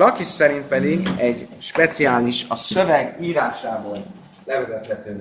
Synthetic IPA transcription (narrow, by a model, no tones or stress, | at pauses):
lɒkiʃsɛɾint̪̚pɛd̪iɡɛɟʃpɛt̪siaːliʃɒsøvɛɡiːɾaːʃaːboːl | lɛvɛzɛt̪hɛt̪øː